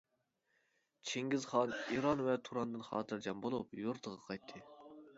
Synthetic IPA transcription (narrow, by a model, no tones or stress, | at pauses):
t͡ʃʰeŋɡʲizχɑniɾɑnvɛt̪ʰuɾɑnd̪ɨnχɑ̰ːt̪ʰɨɾd͡ʒɛmbolˠupjoɾt̪ʰəʁɑqʰɑjt̪ʰːɨ